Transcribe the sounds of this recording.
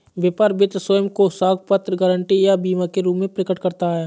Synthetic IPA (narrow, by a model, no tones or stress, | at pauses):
beːpaːɾbɪt̪soːjəmkosaːɡpət̪ɾəɡəːɾəɳʈijabiːmakeɾuːpmẽpɾɪkəʈkəɾt̪aɦɛː